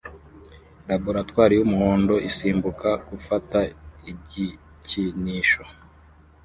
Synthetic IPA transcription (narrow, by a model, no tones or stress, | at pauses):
ɾaboɾatwaːɾijumuhoːndo̞ʔisiːmbukakufataiɟi | ciniʃo